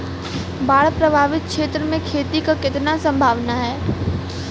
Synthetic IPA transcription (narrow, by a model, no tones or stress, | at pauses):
baːɽpɾɐbʱaːʋɪt̪̚kʃeːt̪ɾəmẽkʰeːt̪ikakɪt̪nasɐ̃mbʱaːʋnaɦɛː